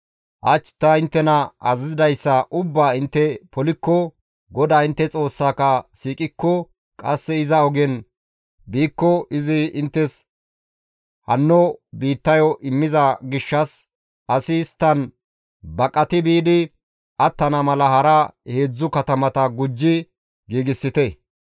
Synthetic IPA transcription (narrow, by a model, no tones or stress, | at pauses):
ʔɐt͡ʃːt̪ːɐɪnt̪ːɛnɐʔɐzɪzɪd̪ɐjsːɐʔʊbːaːɪnt̪ːɛpɔlɪkːɔ | ɡɔd̪aːɪnt̪ːɛt͡sʼo̞ːsːaːkɐsiːkʼɪkːɔ | kʼɐsːɛɪzɐɔɡɛn | biːkːɔʔɪzɪɪnt̪ːɛs | hɐnːɔbiːt̪ːɐjɔʔɪmːɪzɐɡɪʃːɐs | ɐsɪːst̪ːɐn | bɐkʼːɐt̪ɪbiːd̪ɪ | ʔɐt̪ːɐnɐmɐlɐhɐɾɐhe̞ːd͡zːʊkɐt̪ɐmɐt̪ɐɡʊd͡ʒːɪ | ɡiːɡɪsːɪt̪ɛ